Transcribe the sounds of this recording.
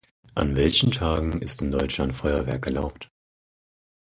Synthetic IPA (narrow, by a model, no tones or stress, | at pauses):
ʔa̰nvɛlçn̩tʰaːɡŋ̩ɪ̰stɪndɔʏt͡ʃlantfɔʏɐvɛɐkɛɐlaʊpt